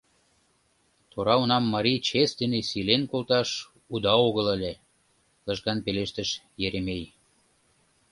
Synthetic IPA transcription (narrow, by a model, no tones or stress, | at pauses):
t̪oɾɑonɑmːɑɾʲit͡ɕesd̪enesilenkolt̪ɑʃ | ud̪ɑoɣələ̆lʲe | lə̆ʃkɑnpeleʃt̪ə̆ʃ | jeɾemej